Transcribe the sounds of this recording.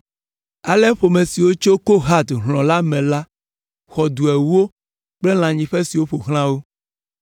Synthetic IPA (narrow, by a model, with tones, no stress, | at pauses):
a˨lɛ˦ɸo˨mẽ˨si˨wo˦t͡ʃo˦ko˦ɦa˦d̪ɦl̃ɔ̃˨la˦mɛ̃˨la˦ | xɔ˨d̪u˨ɛ˨wu˦o˦ | k͡ple˦l̃ã˨ɲĩ˨ɸe˦si˨wo˦ɸo˨ɦl̃ã˦wo˦